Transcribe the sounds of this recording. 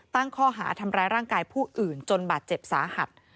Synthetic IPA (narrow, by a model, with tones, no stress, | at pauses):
t̪a˥˩ŋkʰɔː˥˩ɦa̰ː˩˦t̪ʰa˧mɾaː˧jɾaː˥˩ŋkaː˧jpʰuː˥˩ʔɯː˨˩nt͡ɕo˧nbaː˨˩t̪̚t͡ɕe˨˩p̚sa̰ː˩˦ha˨˩t̪̚